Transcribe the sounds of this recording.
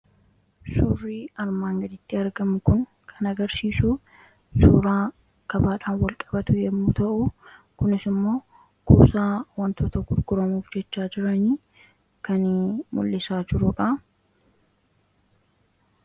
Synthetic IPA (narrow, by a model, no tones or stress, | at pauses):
sʊrːiːɐɾmaːŋɡɐd̪ɪt̪ːɪɐɾɡɐmʊkʊn | kʰɐnɐɡɐɾsiːsuː | suːɾaː | kɐbaːᶑaːnwɐlkʼɐ̥bɐt̪ʊjɛmːuːt̪ɐʔʊ | kʊnɪsɪmːo̞ː | kṵːsaːwɐnt̪oːt̪ɐɡʊɾɡʊɾɐmuːfd͡ʒɛt͡ʃːaːd͡ʒɪɾɐni | kɐnmʊ̰lːɪsaːd͡ʒɪɾʊᶑɐ